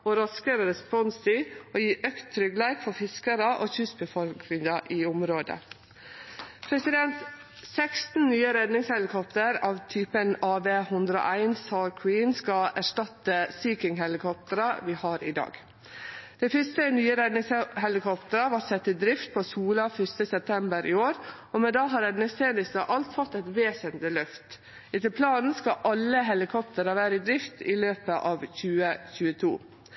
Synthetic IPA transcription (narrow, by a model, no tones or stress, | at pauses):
oːɾɑskəɾəɾɛspɔnst̪ɪoːjiːʔœkt̪ʰːɾʏɡlæɪkfɔɾfɪskəɾəʔo̰ːçʉsbəfɔlknɪŋɑʔiːʊmɾoːd̪ə̰ | pʰɾɛsɪd̪ɛnt̪ | sɛkst̪n̩nyːəɾɛd̪nɪŋshɛlɪkʰɔpt̪əɾɑːʋt̪ʰyːpənɑːbeːhʉnd̪ɾəo̰ːʔæɪnsɑːɾkʰwiːnskɑæʂtɑt̪əsiːkɪŋɦɛlɪkʰɔp̚t̪əɾɑʋɪhɑːɾɪd̪ɑ̰ːɡ | d̪̥ɛɪfʏst̪ənyːəɾɛd̪nɪŋshɛlɪkɔpt̪əɾɑʋɑʈsɛt̪ːɪd̪ɾɪft̪̚pʰosuːlɑfʏst̪əsɛp̚t̪ʰɛmbəɾʔɪoːɾɔmɛd̪ɑːɦɑːɾɛnnɛst̪eːnɪst̪ɑʔɑlt̪fɔt̪ːɛt̪ʋeːsənt̪lɪlœft̪ | ɪt̪ɪlpʰlɑːnn̩skɑʔɑlːəɦɛlɪkʰɔpt̪əɾɑʋæːɾəɪd̪ɾɪft̪ɪløːpəʔɑːʋçʉːəçʉːət̪ʰṵː